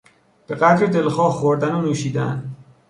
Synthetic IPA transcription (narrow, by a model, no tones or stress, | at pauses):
b̥e̞ɣæt̪ɾed̪e̞lxɒːhχoɾd̪ænonuːʃiːd̪æn